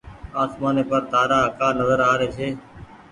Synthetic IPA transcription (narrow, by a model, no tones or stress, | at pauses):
aːsmaːneːpəɾd̪aːɾaːkaːnəzəɾaːɾeːt͡ʃʰeː